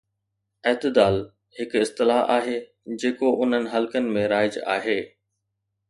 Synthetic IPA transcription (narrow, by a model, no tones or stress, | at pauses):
ɛɦt̪ɪd̪aːl | hɪkɪst̪ɪlaa̰ːɦeː | d͡ʑeːkoʔʊn̤ənɪ̆ɦɐlkənɪ̆mẽɾaːɪd͡ʑa̰ːɦeː